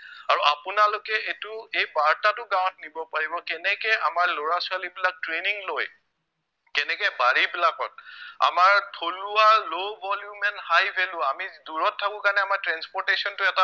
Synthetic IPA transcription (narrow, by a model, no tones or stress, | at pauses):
aɹuʔapʊnalokɛʔetʊejbaɹtatʊɡãwɔntnibɔpaɹibɔkɛnɛkɛamaɹloɹasɔalibilak̚tɹeniŋloj | kɛnɛkɛbaɹibilakɔt̚a̰maɹtʰolʊalobɔljumɛnhajpʰɛlʊ̃amiduɹɔtʰːakʊ̃kanɛamaɹtɹɛnspɔɹtesɔntʊɛta